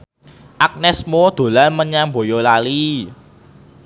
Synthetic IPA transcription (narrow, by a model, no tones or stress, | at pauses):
ʔak̚nɛsmod̪̥o̤lanməɲambojolali